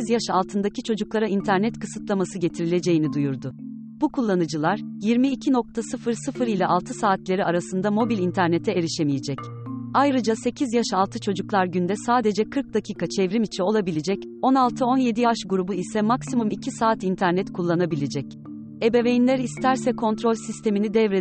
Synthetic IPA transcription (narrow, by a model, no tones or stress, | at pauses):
izjaʃalˠt̪ʰɯnd̪acit͡ʃʰo̞d͡ʒuklˠaɾaint̪ʰæɾnɛt̪kɯsɯt̪lˠamasɯɟe̞t̪ʰiɾilʲe̞d͡ʒe̞jinid̪ujuɾd̪ʊ | b̥ukʰulˠːanɯd͡ʒɯlˠaɾjiɾmiːcʰino̞k̚t̪ʰasɯfɯɾsɯfɯɾilʲɛʔalˠt̪ʰɯsaːt̪lʲe̞ɾiaɾasɯnd̪amo̞bilʲint̪ʰæɾne̞t̪ʰɛeɾiʃemijed͡ʒɛc | ajɾɯd͡ʒase̞cʰizjaʃalˠt̪ʰɯt͡ʃʰo̞d͡ʒuklˠaɾɟynd̪ɛsaːd̪e̞d͡ʒɛkʰɯɾk̚d̪acʰiːkʰat͡ʃʰɛvɾimit͡ʃʰio̞lˠabilʲed͡ʒɛc | o̞nalˠt̪ʰɯo̞nje̞d̪ijavaʃɡuɾubuisɛmaksimumicʰisaːt̪int̪ʰæɾnɛt̪kʰulˠːanabilʲed͡ʒɛc̚ | e̞be̞vejinlʲæɾist̪ʰæɾsɛkʰo̞nt̪ɾo̞lʲsist̪ʰe̞minid̪ɛvɾe